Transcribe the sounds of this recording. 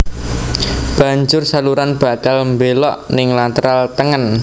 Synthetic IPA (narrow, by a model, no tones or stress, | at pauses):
b̥a̤ɲd͡ʒʊrsaluɾanb̥a̤kalmbelɔʔnɪŋlat̪əɾalt̪əŋən